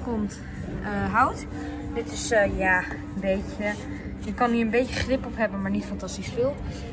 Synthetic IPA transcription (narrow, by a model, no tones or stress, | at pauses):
kɔmt | əɦawt | dɪtɪsəjaːənbejcə | jəkɑniɹənbejəχrɪpɔpɦɛbənmaːɹnitfɑntɑstisfɪːlˠ